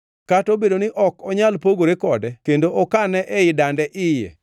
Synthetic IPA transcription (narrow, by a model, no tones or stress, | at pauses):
katobedonɪʔɔkɔɲalpoɡoɾekɔdɛkendoʔɔkanɛʔɛɪdandɛʔɪjɛ̰